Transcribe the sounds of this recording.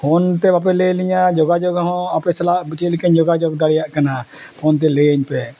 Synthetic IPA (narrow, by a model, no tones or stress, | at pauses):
hɔnt̪ɛbap̬ɛleliɲad͡ʒɔɡad͡ʒɔɡɦɔ̃apɛsɛlaʔt͡ʃelikaɲd͡ʒɔɡad͡ʒɔɡd̪aɽijaʔkanapʰɔnt̪̬ɛlejəɲpɛ